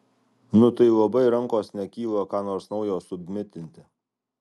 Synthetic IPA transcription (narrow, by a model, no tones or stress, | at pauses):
nʊt̪ɐɪlˠɐbɐɪɾɐŋkoːsnʲɛkʲiːlˠɐkɑːnoːɾsnɒʊjoːsʊbʲmʲɪt̪ʲɪnʲt̪ʲɪ